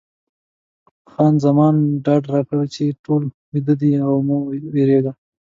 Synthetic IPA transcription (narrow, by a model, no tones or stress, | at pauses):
xɑnzamɑnɖɑɖɾɑkɽawet͡ʃeʈol | wid̪əd̪iawmuweɾeɡ̪a